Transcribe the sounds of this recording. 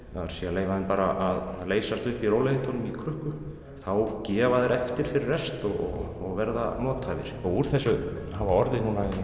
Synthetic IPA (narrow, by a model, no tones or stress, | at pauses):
aaɾ̥sjɛaleːjvaðɪnpaːɾaʔaðleːjsast̪ʏhpiɾowleðɪt̪ʰɔnʏmikʰɾʏhkʏ | θawcɛːvaðɛɾɛft̪ɪɾ̥fɪɾɪrɛst̪ɔɣɔ̰ | ɔɣvɛɾða̰nɔːt̪avɪ̰ɾ̥ɔuɾ̥θɛsːʏhavaɔɾðɪnuːnaɛn